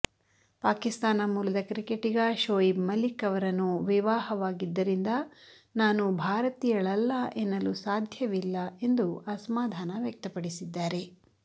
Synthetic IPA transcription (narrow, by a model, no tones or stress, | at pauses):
paːkist̪aːnɐmuːlɐd̪ɐkɾikeʈiɡɐʃoːimɐlikɐʋɐɾɐnːuʋiʋaːhɐʋaːɡid̪ːɐɾind̪ɐ | naːnubʱaːɾɐt̪ijɐɭɐlːɐʔenːɐlusaːd̪ʱjɐʋilːɐe̞nd̪uasɐmaːd̪ʱaːnɐʋjɐk̚t̪ɐpɐɽisid̪ːaːɾe̞